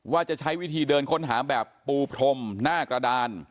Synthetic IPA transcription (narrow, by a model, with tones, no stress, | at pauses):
waː˥˩t͡ɕa˨˩t͡ɕʰa˦˥jwi˦˥t̪ʰiː˧dɤː˧nkʰo˦˥nɦaː˩˦bɛː˨˩pːuː˧pʰɾʰo˧mnaː˥˩kɾa˧daː˧n